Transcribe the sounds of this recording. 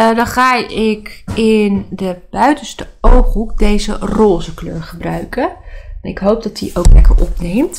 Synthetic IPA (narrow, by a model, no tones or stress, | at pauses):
dɑnχaːɪkɪndəb̥œɥtənstəowkɦukdejzə̰roːzəkløːɹχəbrœɥkənnɪ̰kɦowp̚dɑtdiʔowklɛ̰kə̰ʔɔpnejmt